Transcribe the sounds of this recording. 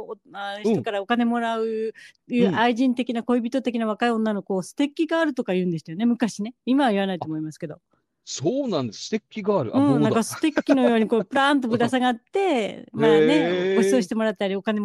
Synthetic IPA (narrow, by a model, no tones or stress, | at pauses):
aç̥tokaɾao̞kane̞mo̞ɾaɯ̟ | jɯːʔaiʑĩnt̪e̞kʲinako̞ibʲit̪o̞t̪e̞kʲinaβakaiõ̞nːano̞koːsɨ̥t̪e̞kʲːiɡaːɾɯ̟t̪o̞kajɯ̟ːnd̪est̪ajone̞mɯ̟kaɕine̞imaβaiβanait̪o̞ːmo̞imasɨ̥ke̞d̪o̞ | soːnãnd̪essɨ̥t̪ekʲːiɡaːɾɯ̟ɯ̟̃nãkasɨ̥t̪e̞kʲːino̞j̞jo̞ːɲ̟ikopɯ̟ɾãːnt̪obɯ̟d̪asaɡat̪ːe̞maːne̞oo̞ɕi̥t̪emo̞ɾat̪eːaɾʲio̞kane